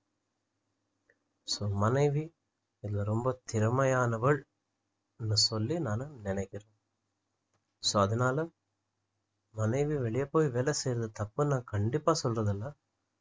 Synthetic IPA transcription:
soːmɐnɐɪʋi | ɪðɪlɐɾɔmbɐt̪ɪɾɯmɐjaːnɐʋɐɭ | nːɯsɔlːinaːnɯnɪnɐɪkːɪreːn | soːɐðɐnaːlɐ | mɐnɐɪʋiʋɛɭɪjɐpːoːjʋeːlɐsejɾɐðɐt̪ɐpːɯnaːkɐɳɖɪpːaːsɔlrɐðɐlːɐ

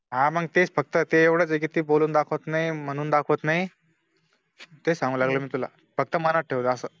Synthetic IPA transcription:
ɦãməɡ̚t̪et͡sfək̚t̪ət̪eeʋɽəːd͡zekit̪iːboluːnd̪akʰot̪naɦim̤əɽ̃uːnd̪akʰot̪naɦi | t̪esãŋɡuːlaɡləmiːt̪ula̰ | fək̚t̪əmanət̪̚ʈʰeʋt̪ːsəː

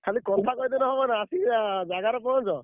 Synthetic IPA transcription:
kʰalikɔt̪ʰakɔd̪ɔnɔɦɔbanaːsid͡ʒaɡaɾɔpɔɦɔ̃nd͡ʒɔ

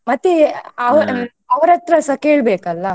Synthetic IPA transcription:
mɐt̪ːiɐʋ | ɐʋɐɾɐt̪ːɾɐsɐkeːɭbeːkɐlːɐ

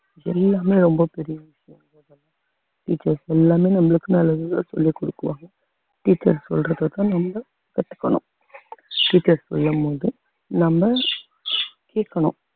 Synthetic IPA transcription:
ɛlːaːmeːɾɔmbɐpɛɾɪjɐʋɪʂɐjɐ̃ɡɐðɐlːɐ | ʈiːt͡ʃːɐɾsɛlːaːmeːnɐmːɐɭɯkːɯnɐlːɐðɯt̪aːsɔ̰lːikɔɽɯkːɯʋaːŋɡɐ | ʈiːt͡ʃːɐ̰ɾsɔ̰lrɐðɐt̪ãːnɐmbɐ | kɐʈːɯ̥kːɐ̰ɳʊ̰̃ | ʈiːt͡ʃːɐɾsɔ̰lːɐmpoːðɯ | nɐmbɐ | keːkːɐɳʊ̰̃

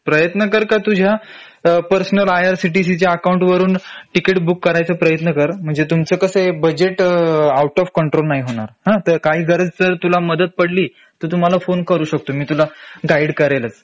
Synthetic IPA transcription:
pɾəjət̪nəkəɾkat̪ud͡ʑʱja | pəɾsnəlajaɾsiʈis̬it͡ɕjaːkauɳʈʋəɾuːnʈikeʈbukːəɾajt͡səːpɾəjət̪nəkəɾm̤əɳd͡zet̪umt͡səːkəsebəd͡ʑeʈauʈɔfkəɳʈɾolnaɦiɦoɽ̃aɾhãt̪əɾkaɦiːɡʱəɾəd͡zd͡zəɾt̪ulaməd̪ət̪̚pəɽliː | t̪əːt̪um̤alafonkəɾuːɕək̚t̪omiːt̪ulaɡaiɽkəɾajlət͡s

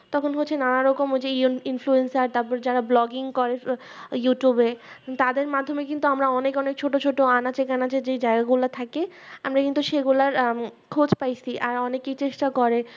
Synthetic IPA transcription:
t̪ɔkʰonɦotːɕʰenanaɾɔkomɦod͡ʑeinfluensaɾt̪aɾpɔɾed͡ʑaɾablɔɡiŋkɔɾe | juʈjubet̪ad̪eɾmad̪ʱːomek̬int̪uamɾaɔnekɔnek̚t͡ɕʰoʈot͡ɕʰoʈoanat͡ɕekanat͡ɕʰed͡ʑejd͡ʑaeɡaɡulat̪ʰakeamɾakint̪uʃeɡulaɾkʰod͡ʑpajt͡ɕʰiʔaɾɔnekejt͡ɕeʃʈakɔɾe

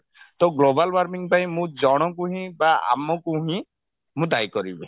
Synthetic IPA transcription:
t̪ɔɡlobalwaɾmiŋpaĩmũd͡ʒɔɽ̃ɔkuɦĩbaa̰mɔkuɦĩ | mũd̪ajkɔɾibe

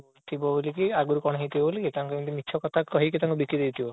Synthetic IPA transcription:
t̪ʰibɔbolikiaɡuɾkɔɽ̃ɦit̪ibolikit̪aŋkumĩt̪imitːt͡ʃʰɔkɔt̪ʰakɔɦik̬it̪aŋkubikid̪ewt̪ʰibɔ

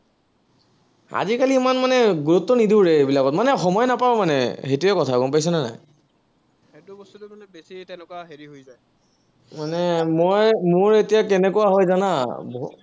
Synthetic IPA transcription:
a̰zikaliːmanmanɛɡuɹutːɔnidibɹebilakɔtmanɛxɔmɔjnapaɔmanɛ̰xetuɛkɔtʰakɔmpajs̬ɛnana̰j | ɛdubɔstutumanɛbesitɛ̃lʊkaɦeɹiɦojzaj | manɛmojmʊɹetijakɛnɛkɔaɦɔjzanabɔ

